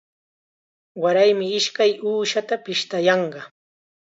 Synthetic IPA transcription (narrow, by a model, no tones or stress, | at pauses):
waɾajmɪɪʃkajuːʃat̪apɪʃt̪ajɑɴɢɑ